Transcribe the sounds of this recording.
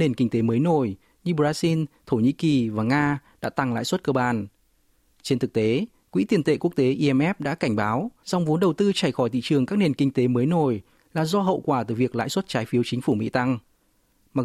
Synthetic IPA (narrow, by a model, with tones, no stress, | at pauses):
ne˨˩nkï˧ŋ̟t̪e˨˦məː˨˦jno˨˩j | ɲɨ˧ɓzaː˧zi˧nt̪ʰo˧˩ɲḭ˧˥ki˨˩vaː˨˩ŋaː˧ɗa̰ː˧˥t̪a˧˩ŋla̰ː˧˥˨jswə˦˥t̚kəː˧ɓaː˨˩n | t͡ɕe˧nt̪ʰɨ˨˩k̚t̪e˨˦ | kwḭ˧˥t̪i˨˩ənt̪ḛ˧˨ku˦˥k̚t̪e˨˦ʔi˧ɛ˧mʔɛ˦˥p̚ɗa̰ː˧˥ka˧˩jŋ̟ɓaː˨˦wza˨˩wŋ͡mvo˨˦nɗə˨˩wt̪ɨ˧t͡ɕa˧˩jxɔ˧˩jt̪ʰḭ˧˨t͡ɕɨ˨˩əŋkaː˦˥k̚ne˨˩nkï˧ŋ̟t̪e˨˦məː˨˦jno˨˩j | laː˨˩zɔ˧ɦə̰˧˨wkwaː˧˩t̪ɨ˧˩vi˨˩ək̚la̰ː˧˥˨jswə˦˥t̚t͡ɕaː˨˦jfi˨˦əwt͡ɕï˨˦ŋ̟fu˧˩mḭ˧˥t̪a˧ŋ | ma˨˩